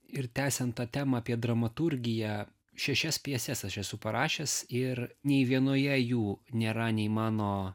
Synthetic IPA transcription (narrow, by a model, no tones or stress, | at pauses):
ɪɾt̪ʲæːsʲɛnt̪t̪ɑːt̪ʲæːmɐɑːpʲiɛd̪ɾɐmɐt̪ʊɾʲɡʲɪjæ | ʃʲɛʃʲɛspʲɛsʲɛsɐʃɛsʊpɐɾɑːʃʲesɪɾnʲɛɪʋʲiɛnoːjɛjuːnʲeːɾɐnʲɛɪmɑːnoː